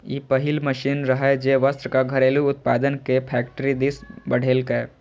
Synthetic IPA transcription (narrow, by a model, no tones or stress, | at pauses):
iːpəɦɪlməʃiːnɾɐɦɛd͡ʒeːʋəst̪ɾkaɡʱɐɾeːluʊt̪̚paːd̪ənkepʰɛːkʈɾid̪ɪsbɐɽ̤eːlke